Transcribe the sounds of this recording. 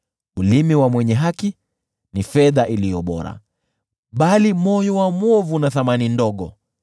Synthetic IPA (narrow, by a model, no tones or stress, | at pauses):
ulimiwamwɛɲɛɦaki | nifɛðaʔilijɔɓɔ̰ɾa̰ | ɓalimɔjɔwamwɔvunaθamanindɔɠɔ